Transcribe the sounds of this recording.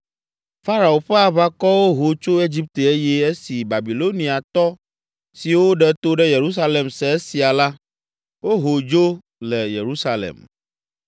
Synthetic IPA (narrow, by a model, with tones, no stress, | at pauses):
fa˦ɾa˨o˨ɸɛ˦a˨βa˦kɔ˦wo˦ɦo˨t͡ʃo˦e˦d͡ʑi˦p̚t̪e˨e˦jɛ˦e˦si˨ba˨bi˨lo˦nĩ˨a˨t̪ɔ˦ | si˨wo˦ɖɛ˦t̪o˦ɖɛ˦je˨ɾu˦s̬a˦le˨msɛ˨e˦si˨a˨la˦ | wo˦ɦo˨d͡ʒo˦ | lɛ˨je˨ɾu˦sa˦lḛ˨m